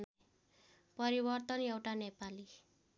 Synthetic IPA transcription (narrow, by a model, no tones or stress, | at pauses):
n | pʌɾibʌrt̪ʌnewʈanepali